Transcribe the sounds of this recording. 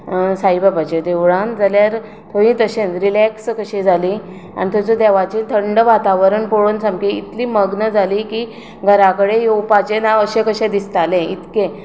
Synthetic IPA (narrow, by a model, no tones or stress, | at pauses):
sajbəpat͡ɕed̪eʋɽãnd͡zaljaɾ | t̪ʰoʋĩt̪əɕenɾilɛkskəɕẽd͡zʱali | a̰nit̪ʰɔt͡səd̪ɛʋat͡ɕĩt̪ʰəɳɖəʋat̪aʋəɾənpoɽonsãmkeit̪liːməɡnəd͡zʱaliki | ɡʱəɾakəɽejowpat͡ɕenaəɕẽkəɕẽd̪ist̪alẽit̪kẽ